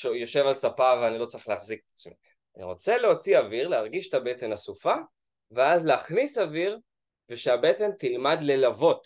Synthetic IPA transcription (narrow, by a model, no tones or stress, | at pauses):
ʃojo̞ʃe̞valsapaveanilo̞t͡saʁiχleaχzike̥t̪ḁt͡smi | anḭʁo̞t͡se̞leo̞t͡siaviʁleaʁɡiʃet̪abe̞te̞nasufa | veazleaχnisaviʁ | veʃeabe̞te̞nt̪ilmadle̞lavo̞t